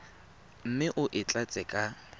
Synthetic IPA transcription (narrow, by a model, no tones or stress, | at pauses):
m̩mɪʔʊʔɪt͡ɬʼat͡sʼɛkʼa